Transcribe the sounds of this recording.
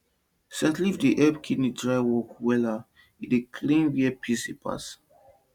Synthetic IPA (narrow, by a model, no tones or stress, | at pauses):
sɛtlifdiʔɛbkʰidnidɹajwɔkwɛla | idekʰlĩnwiɛpʰisipʰa̰s